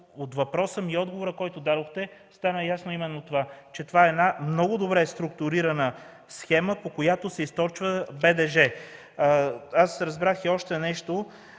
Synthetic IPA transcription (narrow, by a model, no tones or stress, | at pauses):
ot̪vɐpɾɔsəmiɔd̪̚ɡovoɾəkɔjt̪ʊd̪ad̪oxt̪ɛst̪anəjasnoimɛnːot̪ovat͡ʃɛt̪ovaɛːd̪namnɔɡʊd̪obɾɛst̪ɾʊk̚t̪ʊɾiɾɐnə | sxɛməpokojat̪oʊsɛist̪ɔɾt͡ʃvəbɛd̪ɛʒɛ | asɾɐzbɾaxiɔʃt̪ɛnɛʃt̪o